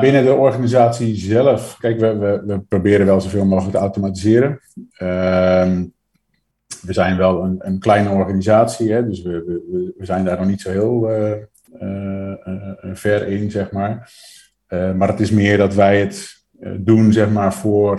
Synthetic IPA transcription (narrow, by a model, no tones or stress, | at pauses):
bɪnədəɔrɣanizaːtsizɛlˠəfkɛjkʋəʋəʋəprobɪːɾənʋɛlˠzovɪːlˠmoːxələktəawtomatizɪəɾənəm | ʋəzɛjnʋɛlˠənənklɛjnəɔrɣanizaːtsiɦɛdøsʋəəʋəʋəzɛjndaːrnɔxnitsohɪːəlˠə | ə | fɛrɪnzɛxmaːɹ | əmarətɪsmɪərdɔtʋɛjət | dunzɛxmaːɹfʊər